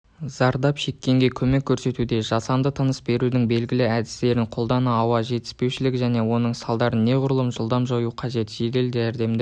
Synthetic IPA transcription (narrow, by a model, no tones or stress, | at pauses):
zɑɾd̪ɑpʃe̞kʲːe̞ŋɡʲe̞kʲʰɵme̞kʲʰːɵɾse̞t̪ud̪e̞ʒɑsɑmd̪ət̪ʰənəsbe̞ɾud̪ɪŋbe̞lɡʲɪlɪæd̪ɪst̪e̞ɾɪɴqʰo̞lˠd̪ɑnəɑwɑʒe̞t̪ɪ̥spe̞wʃɪlɪkʒæne̞wo̞nəɴsɑlˠd̪ɑɾənːe̞ʁʊɾlˠəmʒəlˠd̪ɑmʒojuqʰɑʒe̞t̪ʒ̥e̞ɡʲeld̪æɾd̪e̞md̪ɪ